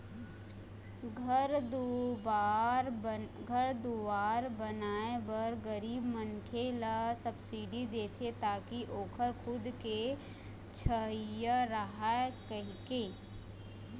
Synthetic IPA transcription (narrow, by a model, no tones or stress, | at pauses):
ɡʱəɾd̪obaɾɡʱəɾd̪uʋaːɾbɐnaːebəɾɡəɾiːbmənkʰelasɐbsiɖid̪eːt̪ʰet̪aːkiʔoːkʰəɾkʰʊd̪ke | t͡ʃʰəɦijaɾəɦaekəɦkeː